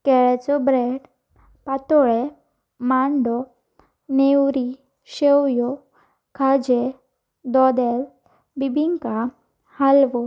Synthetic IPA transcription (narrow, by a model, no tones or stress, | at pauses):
kɛɭɛt͡sɔbɾeɖ | pat̪ɔɭe | maɳɖɔ | newɾi | ɕewjɔ | kʰad͡ʑe | d̪ɔd̪ɛl | bibʱiŋka | halʋɔ